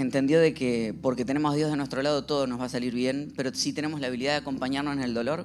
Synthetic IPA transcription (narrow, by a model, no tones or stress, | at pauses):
ent̪e̞nd̪joðekepo̞ɾke̞t̪ene̞mo̞ɦð̞jo̞zð̞e̞nwest̪ɾo̞lað̞o̞t̪oð̞ono̞zβasaliɾβje̞npeɾosit̪e̞ne̞mo̞slaːβ̞iliðaðeako̞mpaɲaɾnoseneld̪o̞lo̞ɾ